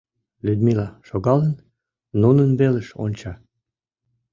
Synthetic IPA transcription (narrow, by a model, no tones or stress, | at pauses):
lʲyd̪milɑʃoɣɑlən | nunənβeleʃo̰nʲt͡ɕɑ